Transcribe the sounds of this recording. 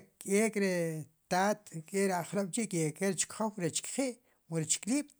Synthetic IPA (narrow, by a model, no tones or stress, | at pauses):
kʼekʼɾet̪aːt̪kʼeʔɾaχloɓ̥t͡ʃiʔkʼekeɾt͡ʃi̥kχowɾet͡ʃi̥kχiːʔ | muɾit͡ʃi̥kliːɓ̥